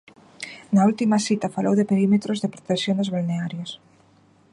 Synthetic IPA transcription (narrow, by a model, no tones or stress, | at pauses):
nault̪imasit̪afalʔo̰wðepeɾimet̪ɾozðepɾot̪esjonezβalneaɾjos